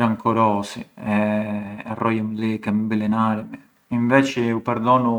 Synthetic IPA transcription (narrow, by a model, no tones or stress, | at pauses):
ɾaŋkʰɔɾɔːsiɛː | rɔjamlikɛmbilɛnaːɾɛmi | iɱvɛt͡ʃiupɛɾd̪ɔnu